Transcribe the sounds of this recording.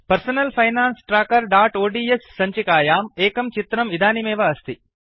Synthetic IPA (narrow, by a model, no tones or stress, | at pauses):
pɐɾsɐnɐlpʰɐjnaːnsʈɾaːkɐɾɖaːʈoːɖiːesːɐɲt͡ʃikaːjaːmeːkɐmt͡ʃit̪ɾɐmid̪ʱaːnimɛːʋɐɐst̪i